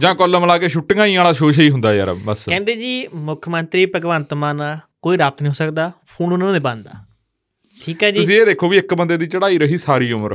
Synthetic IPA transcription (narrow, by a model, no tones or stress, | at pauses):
d͡ʒãːkɔləmlaːkeːʃʊʈːŋãːĩːaːlaːʃoːʃiːɦʊnd̪aːjaɾə̰bəskɛ̃ːnd̪eːd͡ʒiːmʊkʰmənt̪ɾiːpəɡʋənt̪maːnaːkoːiːɾaːp̚t̪nĩːɦoːsəkd̪aːpʰuːnʊnãːneːbãːnd̪a̰ː | ʈʰiːkɦɛːd͡ʒiʊːs̬ĩːeːd̪eːkʰːoːʋiːɪkbənd̪eːd̪iːt͡ʃəɽaːiːɾəɦiːsaːɾiːʊməɾ